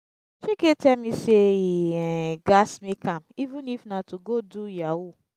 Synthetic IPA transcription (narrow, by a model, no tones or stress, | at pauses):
t͡ʃeketɛmiseiɡasmikamivũnifnatuɡodujawu